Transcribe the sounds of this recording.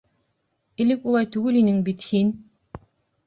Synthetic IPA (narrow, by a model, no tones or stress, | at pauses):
ɘ̆lɘkulˠɑjt̪ʉɡɘlinɘŋbit̪hin